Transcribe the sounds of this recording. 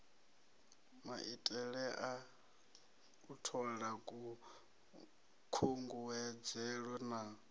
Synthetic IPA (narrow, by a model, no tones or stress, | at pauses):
maʔitʼɛɺɛʔa | utʰɔɺakʼu | kʰuŋɡuwɛd͡zɛɺwɛna